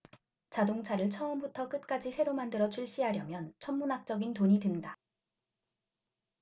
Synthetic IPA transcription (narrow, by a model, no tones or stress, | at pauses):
t͡ɕadoŋt͡ɕʰaɾɯɭt͡ɕʰʌʌmbutʰʌk͈ɯt̚k͈ad͡ʑisʰe̞ɾomandɯɾʌt͡ɕʰuɭɕ͈iɦaɾjʌmjʌnt͡ɕʰʌmːunak̚t͡ɕ͈ʌɡintoɲitenda